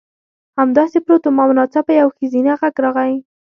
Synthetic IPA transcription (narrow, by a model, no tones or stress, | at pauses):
hamd̪ɑsepɾot̪omɑmʊnɑsabajawxəzinaɣaɡɾɑɣai